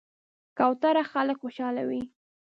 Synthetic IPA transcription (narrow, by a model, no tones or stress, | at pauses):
kɑwt̪aɾaxaləkxoʃɑla̰wi